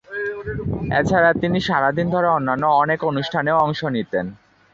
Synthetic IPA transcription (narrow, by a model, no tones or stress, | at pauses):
ḛt͡ɕʰaɾat̪iniʃaɾad̪ind̪ʱɔɾeonːanːoɔnekonuʃʈʰaneoɔŋʃonit̪en